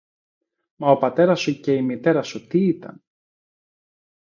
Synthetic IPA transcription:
mɐo̞pɐt̪e̞ɾɐsuce̞imit̪e̞ɾɐsut̪iit̪ɐ̰n

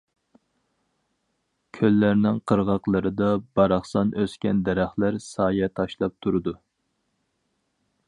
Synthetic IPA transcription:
kʲʰølːæɾnɪŋqʰəɾʁɑqlˠəɾɨd̪ɑbɑɾɑχsɑnøskʲɛnd̪ɛɾæχlæɾsɑːjɛt̪ʰɑʃlˠɑp̚t̪ʰuɾɨd̪u

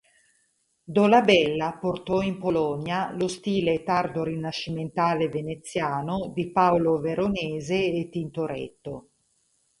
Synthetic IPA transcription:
d̪olabɛlːaport̪ɔimpolɔnjalost̪iːlet̪ard̪oɾinaʃːiment̪aːlevenet̪sːjaːnod̪ipaoloveɾoneːzeːt̪ːint̪oɾɛ̰t̪ːo

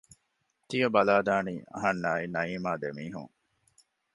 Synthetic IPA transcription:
t̪iɐbɐlaːd̪aːniːʔɐ̰ɦɐnːaːinɐiːmaːd̪emiːɦṵŋ

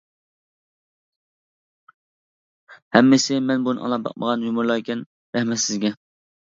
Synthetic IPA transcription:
hɛmːɪsɪmɛnbunɨ̰ʔɑ̰lˠɑp̚bɑ̰q̚məʁɑnjumʊɾlˠɑkʲɛn | ɾɛhmɛt̪sɪzɡʲɛ

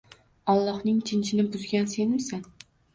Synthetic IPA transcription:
ɒlˠːɒhnɪŋt͡ʃʰɪnt͡ʃʰɪnɪbʊzɡʲanse̞nɪmsan

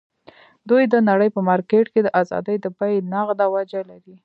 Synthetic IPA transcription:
d̪ujd̪ənaɽəjpəmɑɾkeʈked̪əʔazɑ̰d̪əjd̪əpajnaɣd̪awad͡ʒalaɾi

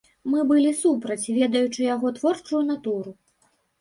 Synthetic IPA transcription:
mɨbɨlʲisupɾɐt͡sʲvʲɛd̪ɐjut͡ʂɨjaɣɔt̪vɔrt͡ʂujunat̪uɾu

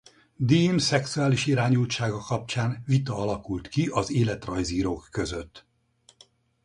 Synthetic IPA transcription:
d̪iːmsɛksuaːliʃiɾaːɲuːlt͡ʃaːɡɒkɒp̚t͡ʃaːnvit̪ɒɒlɒkult̪kiʔɒzeːlɛt̪rɒjziːɾoːkːø̞zø̞t̪ː

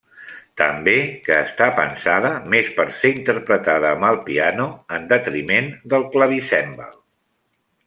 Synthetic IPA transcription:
t̪əmbekəːst̪apə̰nsaðəmespəɾseint̪əɾpɾət̪aðəːməlˠpianuənd̪ət̪ɾimend̪əlˠkləβ̞isɛmbə̰lˠ

